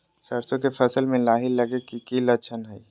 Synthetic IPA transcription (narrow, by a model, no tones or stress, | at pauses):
sɐɾsõkefʰɐsəlmẽlaːɦilɐɡekikilət͡ʃʰənɦɛi